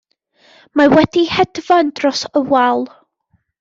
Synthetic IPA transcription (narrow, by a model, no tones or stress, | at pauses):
mawɛd̥ihɛdvand̥rɔsəwalˠ